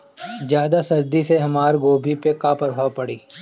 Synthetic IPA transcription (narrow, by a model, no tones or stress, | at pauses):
zjaːd̪asɐɾd̪iseɦɐmaːɾɡoːbʱipekaːpɐɾɦaːpɐɽiː